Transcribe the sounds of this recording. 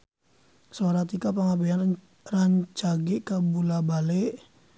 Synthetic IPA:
soɾat̪ikapaŋabean | raɲt͡ʃaɡiʔkabulabaleʔ

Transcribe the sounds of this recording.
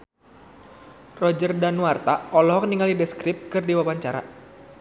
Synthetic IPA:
rɔd͡ʒərdanwart̪aʔɔlɔɦɔk̚niŋalidɛskɾɪp̚kɨrdiwawaɲt͡ʃaɾa̰

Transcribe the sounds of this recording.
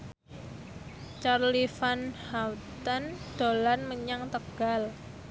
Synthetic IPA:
t͡ʃarlifanhawt̪ənd̪̥o̤lanməɲaŋt̪əɡ̥al

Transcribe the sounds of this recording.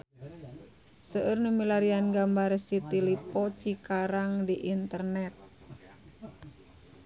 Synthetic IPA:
səʔərnumilaɾianɡambaɾsit̪ilipɔt͡ʃikaɾaŋdiʔint̪ərnɛt̪̚

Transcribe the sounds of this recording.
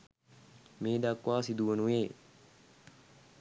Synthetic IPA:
meːd̪akːwaːsid̪uʋənujeː

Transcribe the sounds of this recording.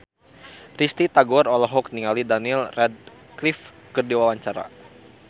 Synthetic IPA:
rist̪it̪aɡɔrɔlɔɦɔk̚niŋalidanilrɛd̪̚ | klif | kərdiwawaɲt͡ʃaɾa̰

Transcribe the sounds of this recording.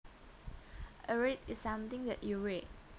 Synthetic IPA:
ʔəɹitɪsːãmt̪ɪ̃ŋdɛ̰ʔjuɹit̚

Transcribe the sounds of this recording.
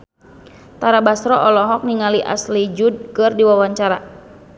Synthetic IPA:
t̪aɾabasɾɔʔɔlɔɦɔk̚niŋaliʔa̰slid͡ʒud̚kɨrdiwawaɲt͡ʃaɾa

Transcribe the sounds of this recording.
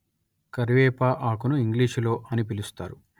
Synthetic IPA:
kɐɾʋɛːpaːʔaːkunuiŋɡliːʃlo̞ːʔɐnipilust̪a̰ːɾu

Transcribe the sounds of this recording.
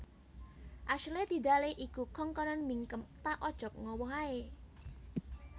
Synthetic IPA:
ʔaʃled̪̥i̤d̪a̤leʔikukɔŋkɔnɔnmiŋkəmt̪aʔɔd̥ʒ̥ɔ̤k̚ŋɔwɔɦae

